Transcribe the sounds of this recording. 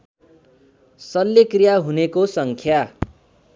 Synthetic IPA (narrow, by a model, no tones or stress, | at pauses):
sʌlːekrijaɦunekosʌŋkʰja